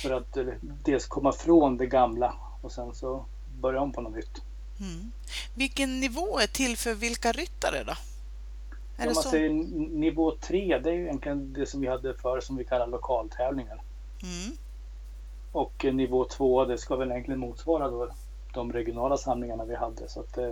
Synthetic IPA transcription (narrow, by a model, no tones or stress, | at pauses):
fœɾat̪ | d̪eːlskʰɔmːafɾoːnd̪ɛɡamla | ɔsɛnsɔ | bœɾjaʊnpʰɔnɔnʏt̪ː | vɪlkːənːɪvoːæʈʰɪlfœɾvɪlkaɾʏt̪ːa̰d̪ə̰ɖɔ̰ | mansɛjːənɪvoːt̪ʰɾeːd̪ɛæɾjʏjɛnk̪lɪɡənd̪ɛsɔmvɪhad̪ːəfœːɾəsɔmvɪkʰalːaɾlʊkʰɑːlt̪ʰɛːvlɪŋən | ɔknɪvoːt̪ʰvoːd̪ɛskavɛljɛnk̪lɪənmuːt̪svɑːɾad̪oː | d̪̥ɔmɾɛɡɪʊnɑːlasamlɪŋaɳavɪhad̪ːəsɔat̪̚d̪ɛ